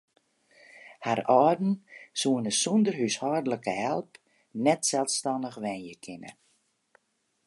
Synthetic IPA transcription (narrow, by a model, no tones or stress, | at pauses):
harɔːdn̩suənəsɔndərɦyshɔrdələkəɦɛlˠp | nɛtsɛlˠstɑndəxʋɛnjəkʰɪnə̰